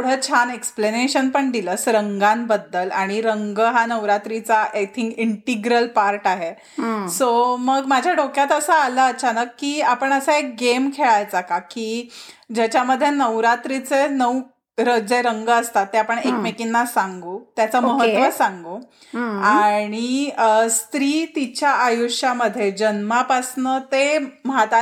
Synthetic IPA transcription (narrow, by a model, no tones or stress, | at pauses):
uɽ̤ət͡ɕʰanekspleneɕənpəɳd̪iləsɾəŋɡanbəd̪ːəlaɽ̃iɾəŋɡəɦanəʋɾat̪ɾit͡saʔajt̪ʰiŋkiɳʈiɡɾəlpaɾʈaɦe | soməɡmad͡ʑʱjaɖokjat̪əsəːləət͡ɕʰanəkːiːapəɳəsəek̚ɡemkʰeɭajt͡sakakiːd͡ʑat͡ɕaməd̪ʱːjenəʋɾat̪ɾit͡senəw | ɾəd͡zeɾəŋɡəːst̪at̪ːeapəɳekmekinːasaŋɡuːt̪jat͡səməɦət̪ʋəsãŋɡu | aɽ̃iəst̪ɾiːt̪it͡ɕjaʔajuʂjaməd̪ʱːjed͡ʑənmapasnət̪emɦat̪a